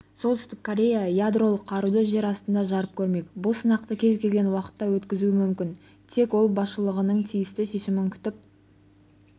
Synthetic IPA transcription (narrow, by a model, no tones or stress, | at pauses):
so̞lt̪ʏst̪ɪkkʰːoɾʲe̞jajad̪ro̞lˠəqʰːɑɾud̪əʒe̞ɾɑst̪ənd̪ɑʒɑɾəp̚kʲʰɵɾme̞kʲbʊlˠsənɑqt̪əkʲʰe̞zkʲe̞lɡʲe̞nwɑqə̥t̪ːɑwɵt̪kʲɪzuɪmʏmkʲɪn | t̪ʰe̞kwo̞lˠbɑsʃəlˠəʁənəɴt̪ʰijɪst̪ɪʃe̞ʃɪmɪŋkʲʰʏ̥t̪ɪp̚